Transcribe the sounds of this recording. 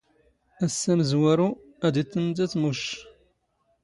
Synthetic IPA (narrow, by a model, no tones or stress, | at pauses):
æsːæməzwæɾu | æd̪it͡s̪ːənt̪æt͡smuʃ